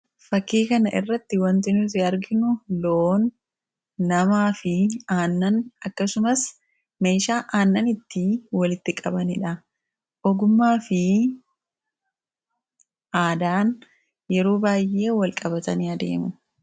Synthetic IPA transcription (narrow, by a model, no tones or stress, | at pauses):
fɐkːiːkɐnɐʔɪ̰rːɐt̪ːɪwɐnt̪ɪnʊfɪɐɾɡɪnʊloːnː | ɐmaːfɪaːnːɐnɐkːɐsʊmɐs | me̞ːʃaːʔaːnːɐnɪt̪ːɪwɐlɪt̪ːɪkʼɐbɐnɪᶑɐ | ʔɔɡʊmːaːfɪ | ʔaːd̪aːn | jɛɾoːbaːjːe̞ːwɐlkʼɐbɐt̪ɐniɐd̪e̞̰ːmʊ